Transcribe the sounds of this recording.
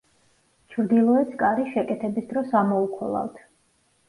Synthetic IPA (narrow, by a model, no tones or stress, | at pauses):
t͡ʃʰɾd̪ilˠɔɛskʼaɾiʃɛkʼɛt̪ʰɛbisd̪ɾɔsamɔukʰɔ̰lˠa̰lt̪ʰ